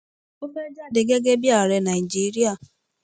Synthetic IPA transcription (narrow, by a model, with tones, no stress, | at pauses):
o˦ke˦d͡ʒa˦dɪ˨ɡe˦ɡe˦bja˨ɾe˨˦na˨i˨d͡ʒi˦ɾi˦a˦˨